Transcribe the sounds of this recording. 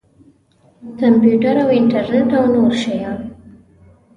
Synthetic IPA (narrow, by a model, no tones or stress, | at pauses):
kampjuʈaɾawɪɳʈaɾneʈawnoɾʃajɑn